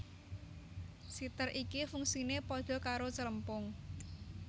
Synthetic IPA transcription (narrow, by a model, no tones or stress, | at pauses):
sit̪ərʔikifuŋsinepod̪̥ɔ̤kaɾot͡ʃələmpʊŋ